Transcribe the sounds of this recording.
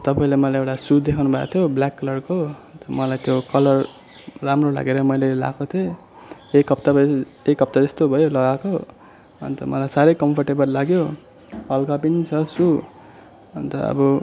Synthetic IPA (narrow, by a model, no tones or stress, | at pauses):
t̪ʌpaĩlemʌlajewʈasud̪ekʰawnubʱa̰kt̪ʰjoblakːʌlʌrkot̪ʌmʌlajt̪ʰjokʌlʌr | ramrola̰ɡeɾʌmʌjlela̰kʰot̪ʰe | ekːʌpt̪aʌ | ekːʌp̚t̪ad͡zʌst̪obʱʌjolʌɡako | ʌ̰nt̪ʌmʌlajsaɾʌjkʌmpʰʌrʈebʌllaɡjo | hʌlkapinit͡sʰʌsu | ʌ̰nt̪ʌ̰ʌ̰bʌ